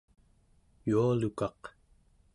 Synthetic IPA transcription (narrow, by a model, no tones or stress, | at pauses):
jualukɑq